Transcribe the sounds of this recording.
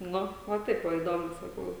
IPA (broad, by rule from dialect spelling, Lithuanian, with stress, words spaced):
ˈnʊ ʋɐ ˈtɐɪp ˈʋɐ iːˈdoːmʊ sɐˈkɐʊ